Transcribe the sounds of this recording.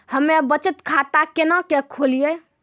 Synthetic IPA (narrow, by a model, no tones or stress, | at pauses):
həmebət͡ʃət̪kʰat̪akenakekʰolije